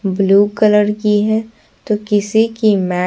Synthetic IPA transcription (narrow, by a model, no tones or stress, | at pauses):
bluːkələɾkiɦɛ | t̪oːkɪsikimɛː